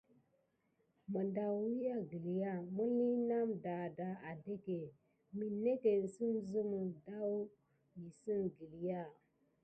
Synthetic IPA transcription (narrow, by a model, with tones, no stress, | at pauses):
mə˨nda˨˦wi˦ja˦ɡi˨li˨ja˦˨mu˦li˦na˦mda˨da˨a˨de˦ke˨ | mi˨ne˦ke˨n̩˨si˦mzu˦mə˨da˦w | ji˨si˦nɡi˨li˨ja˦˨